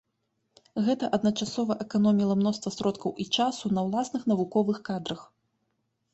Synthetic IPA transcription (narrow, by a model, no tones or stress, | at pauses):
ɣɛt̪ɐʔɐd̪nɐt͡ʂasɔvɐʔɛkanɔmʲilˠɐmnɔst̪vɐsɾɔt̪kɐwʔit͡ʂasunɐwlˠasnɨxn̪ɐvukɔvɨxkad̪ɾɐx